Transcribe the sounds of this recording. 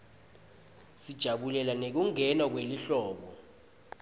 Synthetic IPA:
sid̥ʒ̥ʱaɓulɛlanek̬uŋɛnak̬weliɬɔːɓɔ

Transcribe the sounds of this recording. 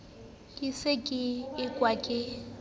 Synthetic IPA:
kʼɪsɪkʼɪɪkʼwakʼɪ

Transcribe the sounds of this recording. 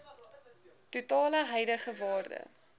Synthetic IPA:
tutɑːləɦɛjdəχəvɑːrdə̰

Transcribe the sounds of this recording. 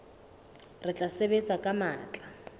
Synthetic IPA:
rɪt͡ɬʼasebet͡sʼakʼamaːt͡ɬʼa

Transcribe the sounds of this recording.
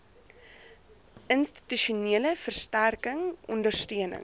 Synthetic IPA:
ʔənsti̥tyʃuniələfərstærkəŋʔɔndərstøənə̰ŋ

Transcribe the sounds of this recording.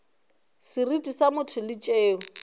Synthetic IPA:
sɪridʼisamʊtʰʊlɪt͡ʃʼeːʊ

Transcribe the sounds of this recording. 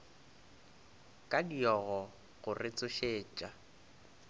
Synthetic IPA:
kʼadiɔɣɔ | ɣʊrɪt͡sʼʊʃeːt͡ʃʼa

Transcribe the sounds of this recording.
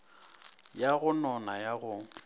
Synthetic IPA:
jaɣʊnɔnajaɣʊŋ

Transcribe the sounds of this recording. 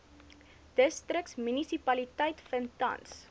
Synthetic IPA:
d̥əstrəksmynisipɐlitəjtfəntɐ̰ns

